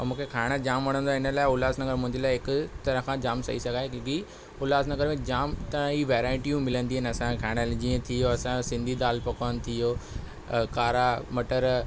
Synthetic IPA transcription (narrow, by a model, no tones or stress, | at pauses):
mũːkʰekʰaːɪɽ̃əd͡ʑaːmʋɐɽ̤̃ə̃nd̪oaːɪnəlaːɪʊlaːsnɐɡəɾmʊ̃ɦɪ̃ɲd͡ʑelaːɪɦɪkʊt̪ɐɾəɦkʰãːd͡ʑaːmsɐ̰isɐɡʱaːekːki | ʊlaːsnɐɡəɾmẽd͡ʑaːmt̪ɐ̃iʋeːɾaːɪʈijũmɪlə̃nd̪iɦənɐsãkʰaːɪɽ̃əld͡ʑĩːə̃t̪ʰijoɐsãsɪ̃nd̪ʱid̪aːlpɐkoːnɪ̆t̪ʰijoː | kaːɾamɐʈəɾ